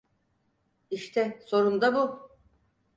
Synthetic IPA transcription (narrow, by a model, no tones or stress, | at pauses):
iʃt̪ʰɛso̞ɾund̪abu